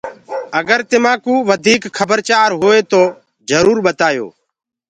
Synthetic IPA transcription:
əɡəɾt̪ɪmãːkũːʋəd̪ʱiːkxʰəbəɾt͡ʃaːɾɦoːeːt̪oː | zəɾuːɾɓət̪aːjo̰ː

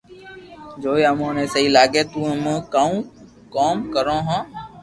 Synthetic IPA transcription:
d͡ʒoːiːəmõːnẽːsəɦiːlaːɡeːt̪ũːm̃ːkaːũː | koːmkəɾõːɦãː

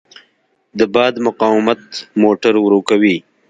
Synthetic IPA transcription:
d̪əbɑːd̪mʊqɑwɪmat̪moːʈaɾwɾoːkawi

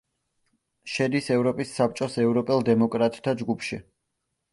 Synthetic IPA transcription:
ʃɛd̪isɛvɾɔpʼisːap̚t͡ʃʼɔsɛvɾɔpʼɛlˠd̪ɛmɔkʼɾat̪ʼt̪ʰad͡ʒɡupʰʃi

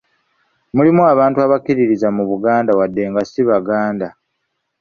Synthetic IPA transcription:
mulimuaβaːntuaβakiɾiɾizamuβuɡaːndawadːe̞ŋɡasiβaɡaːnda

